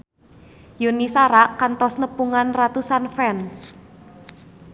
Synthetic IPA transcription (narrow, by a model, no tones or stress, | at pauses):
junisaɾakant̪ɔsnəpuŋanrat̪usanfɛns